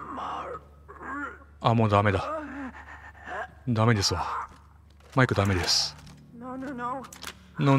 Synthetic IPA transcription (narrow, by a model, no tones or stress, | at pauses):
amoːd̪ame̞d̪a | d̪ame̞d̪e̞sɨβa | maikɯ̟d̪ame̞d̪esɨ̥ | no